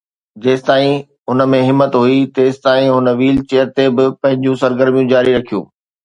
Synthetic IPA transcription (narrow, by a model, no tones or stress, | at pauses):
d͡ʑeːsɪ̥t̪aːĩ | ɦʊnə̆mẽɦɪmːət̪ɦuit̪eːst̪aːĩɦʊnəʋiːlt͡ɕeːəɾt̪ebɪpɐ̃ɦɪ̃ɲd͡ʑũsɐɾɡəɾmijũd͡ʑaːɾiɾɐkʰijṵ̃ː